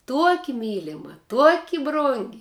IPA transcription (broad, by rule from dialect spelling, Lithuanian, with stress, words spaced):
ˈtuɔkʲɪ ˈmʲiːlʲɪmɐ ˈtuɔkʲɪ ˈbrʊŋʲɡʲɪ